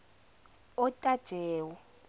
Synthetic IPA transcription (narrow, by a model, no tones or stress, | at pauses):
ɔtʼad̥ʒ̥ʱɛːwɔ